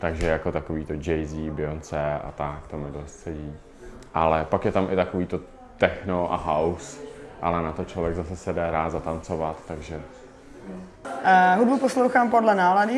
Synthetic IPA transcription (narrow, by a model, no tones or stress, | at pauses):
t̪aɡʒɛjako̞t̪akoviːt̪o̞d͡ʒɛjzibɪont͡sɛa̰t̪akt̪omɪdost̪sɛɟiː | ʔa̰lɛpakjɛt̪amɪt̪ako̞viːt̪o̞ | t̪ɛxno̞ʔa̰ɦawsʔa̰lɛnat̪o̞t͡ʃlovjɛɡzasɛsɛdɛɾaːt̪zat̪ant͡sovat̪ːaɡʒɛ | ɦudbuposlowxaːmpodlɛnaːladɪ